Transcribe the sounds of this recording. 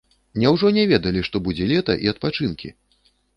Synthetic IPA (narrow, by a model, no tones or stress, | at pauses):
mnʲɛwʐɔnʲɛvʲɛd̪ɐlʲiʂt̪ɔbud͡zʲɛlʲɛt̪ɐ̰ʔiɐt̪̚pat͡ʂɨnkʲḭ